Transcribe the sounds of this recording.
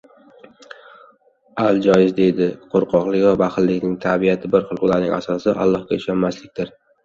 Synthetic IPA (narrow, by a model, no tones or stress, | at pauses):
alˠd͡ʒɒjɪzd̪e̞jd̪ɪqʰoɾqʰɒqlˠɪkʲvabaχɪllːɪkʲnɪŋt̪ʰabijat̪ʰɪbɪɾχɨlˠʊlaɾnɪ̰ŋʲʔa̰sɒsɪʔa̰lˠːɒhkʲaɪʃɒnmaslɪk̚ʲt̪ɪɾ